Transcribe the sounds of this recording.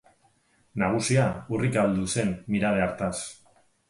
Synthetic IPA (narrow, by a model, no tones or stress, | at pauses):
naɣ̞usiaurikald̪use̞nːiɾað̞eaɾt̪as